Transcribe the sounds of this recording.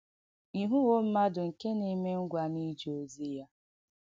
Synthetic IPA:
i˨ɦu˦wo˦m̩˦ma˦dʊ˨ŋ̩˨ke˦ni˦me˦ŋ̩˦ɡʷa˨ni˦d͡ʒo˨zi˦ja˦

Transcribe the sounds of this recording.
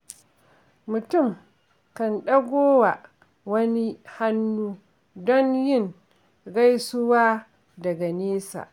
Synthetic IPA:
mʊ˨tʊ˦˨m | kɐ˨nɗɐ˦ɡʷoː˦wa˨ʔ | wɐ˦ni˦ha˦nːuː˦ | dɔ˦njɪ˦˨n | ɡa˦jsʊ˦waː˦ | dɐ˨ɡa˨neː˦sa̰ː˨ʔ

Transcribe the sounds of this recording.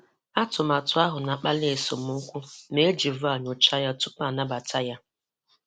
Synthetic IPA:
a˦tʊ˨ma˨tʊ˨˦a˦ɦʊ˨na˨k͡pa˦le˨so˨m̩˨˦ŋ̩˦kʷu˦me˦d͡ʒi˨vʊ˦a˨ɲo˨t͡ʃa˦ja˦tʊ˦pa˨na˦ba˨tʰa˦ja˦

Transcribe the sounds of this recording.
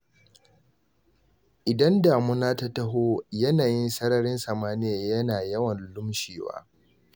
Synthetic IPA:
ʔɪ˨dɐ˦ndaː˨mʊ˦naː˦ta˦tɐ˦ɦoː˦jɐ˦naː˨jɪ˦nsɐ˦ɾɐ˦ɾɪ˦nsɐ˨maː˦nɪ˦jaː˨jɐ˦naː˨jɐ˦wɐ˨nlʊ˦mʃeː˨wa̰ː˦

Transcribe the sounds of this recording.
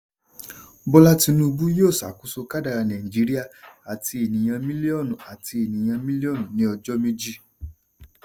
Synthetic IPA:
bɔ˦la˦ti˧nũ˦˧bu˦joː˦˨sa̰˨˦ku˦so˧ka˦da˧ɾa˧nã˨i˨d͡ʒi˨˦ɾi˦a˦˨a˨ti˧e˨nĩ˨j̃ã˧mĩ˦li˦ɔ˦˨nũ˨a˨ti˧e˨nĩ˨j̃ã˧mĩ˦li˦ɔ˦˨nũ˨nĩ˨˦ɔ˧d͡ʒɔ˦mĩ˦d͡ʒi˦˨

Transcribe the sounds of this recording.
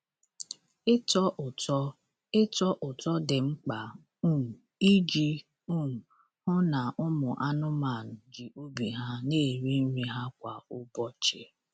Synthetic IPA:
tɔ˦˨ɔ˦ | ɪ˦tɔ˦ʔʊ˨tɔ˦dɪ˨ŋ͡m̩˦k͡pa˨˦ | m̩˨ | i˦d͡ʒi˦ | u˦m̩˨ | hʊ˦na˨ʔʊ˦mʊ˨ʔa˦nʊ˦ma˨n̩˨d͡ʒi˨o˦bi˨ɦa˦ne˦˨ɾi˦n̩˦ɾi˦ɦa˦kʷa˨ʊ˦bɔ˦t͡ʃe˦

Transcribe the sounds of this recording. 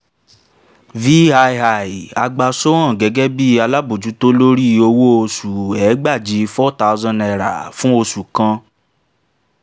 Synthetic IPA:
vi˦a˧jɦa˨i˨a˧ɡ͡ba˧so˦ã˦˨ɡɛ˨˧˦ɡɛ˦bi˦a˧la˦bo˨d͡ʒu˨˦to˦lo˦ɾi˦o˧wo˦o˧su˨ɛ˨˦ɡ͡ba˦˨d͡ʒi˨˦˧fɔ˦ta˦u˦zã˦˧nɛ˧˨ɾa̰˨fũ˦o˧su˨kã˧˦

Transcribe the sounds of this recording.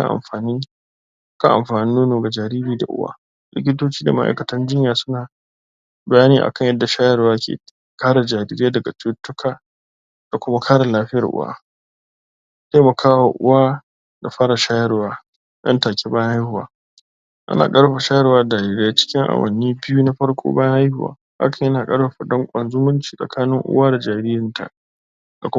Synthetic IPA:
a̰˨ʔa̰˨mɸaː˨niː˦ | ka̰˦˨ʔa̰˨mɸaː˨nɪ˦nːoː˦noː˨ɡa˨d͡ʒaː˨ɾiː˦ɾiː˦da̰˨ʔʊ̰˦wa̰ː˦ | lɪ̰˦k̬ʲɪ˦toː˦t͡ʃiː˦da˨ma˦ʔa̰˨kɐ˨tɐ˦nd͡ʒɪ˦ɲjaː˨sʊ˦naː˨ | bɐ˨˦jaː˦niː˦ʔa̰˨kɐ˦˨ɲjɐ˦dːa˨ʃaː˦jɐ˦ɾwaː˦kʰʲḛː˨ | kaː˦ɽa˨d͡ʒaː˨ɾiː˦ɾɪ˦jaː˦dɐ˨ɡa˨tʊ˦tːʊ˦kʰaː˨ | d̥a˨kʷʊ˦ma˦kʰaː˦ɽa˨laː˦ɸɪ˦jɐ˨rʔʊ̰˦wa̰ː˦ | ta˦mɐ˨kʰaː˦wa˨ʔʊ̰˦waː˦ | da˨ɸaː˦ɽa˨ʃaː˦jɐ˦rwaː˦ | jɐ̰˦ntaː˨kʲʰe˦bɐ˦jha˦jhʊ˨wa̰ː˦ | ʔa̰˦na̰ː˨kʼɐ˦ɽɸa˨ʃaː˦jɐ˦rwaː˦daː˨ɾiː˦ɾe˦ja˦t͡ʃɪ̥˦kʲɪ˦ŋʔa̰˨wɐ̰˨nːiː˦bɪ˦juː˦na˦ɸɐ˦ɽkʷʰʼo̰ː˦bɐ˦jha˦jhʊ˨wa̰ː˨˦ | ʔa̰˦kɐ˨ɲjɐ˦naː˨kʼɐ˦ɽɸa˨ɸa˨dɔ˦ŋkʷʼɐ˨nzʊ˦mʊ˦nt͡ʃi̥ː˨sʼɐ̰˨kʰaː˦nɪ˦ŋʔʊ̰˦waː˦da˨d͡ʒaː˨ɾɪː˦jɪ˨ntʰa̰˨ | d̥a˨kʷʊ˦

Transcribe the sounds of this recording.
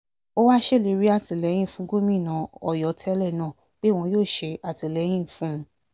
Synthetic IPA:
o˦wa˦ʃe˦˨le˨˧ɾi˦a˦˨ti˨lɛ˨˦j̃ĩ˦˨fũ˦ɡo˦mĩ˦˨nã˨˦ɔ˦˨jɔ˨˦tʰɛ˦lɛ˦˨nãː˦˨ | k͡pe˦˨w̃ɔ̃˧joː˦˨ʃe˧ʔa˨ti˨lɛ˨˦j̃ĩ˦˨fũ˦˧

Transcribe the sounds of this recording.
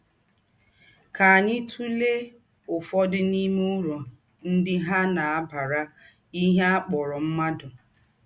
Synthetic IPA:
ka˨a˨ɲɪ˦tʰu˦le˦ | ʊ˨fɔ˦dɪ˦ni˦mʊ˦ɾo˨ | n̩˦dɪ˦ɦa˦na˨a˦ba˨ɾa˦ | i˦ɦe˦a˦k͡pɔ˨ɾɔ˨m̩˦ma˦dʊ˨

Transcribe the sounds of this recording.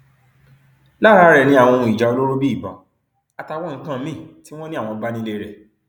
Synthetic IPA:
la˦˨ɾa˨˦ɾɛ˨nĩ˧˦a˦˨w̃ɔ˧ũ˧˨i˨d͡ʒa˨o˧lo˦ɾo˦bi˦i˦˨bã̰˨ | a˧ta˧˦wɔ˦˨n̩˦kã˦˨˦mĩ˦˨ti˦w̃ɔ̃˦nĩ˦a˦˨w̃ɔ̃˧˦ba˦nĩ˦le˧ɾɛ˨

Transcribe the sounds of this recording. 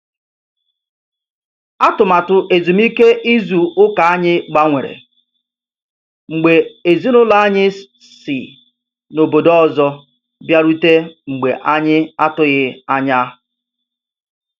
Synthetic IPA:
a˦tʊ˨ma˨tʊ˨ʔe˨zu˨mi˦ke˦ʔi˦zu˨ʊ˦ka˨a˦ɲɪ˦ɡ͡ba˦ŋʷe˨ɾḛ˨ | ŋ͡m̩˨ɡ͡be˨e˨zi˦nʊ˦la˦a˦ɲɪ˦ | sɪ̰˨ | no˨bo˨dɔ˦˨zɔ˦ | bja˦ɾu˦te˦ŋ͡m̩˨ɡ͡bḛ˨ʔa˦ɲɪ˦a˦tʊ˦ɣɪ˦a˦ɲa˦

